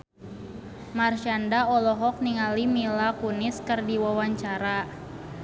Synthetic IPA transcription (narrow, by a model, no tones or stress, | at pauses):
marʃandaɔlɔɦɔk̚niŋalimilakunɪskərdiwawaɲt͡ʃaɾa